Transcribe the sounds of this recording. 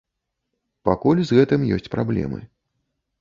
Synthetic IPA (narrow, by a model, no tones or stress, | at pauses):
pakulʲzɣɛt̪ɨmjɔsʲt͡sʲpɾablʲɛ̰mɨ̰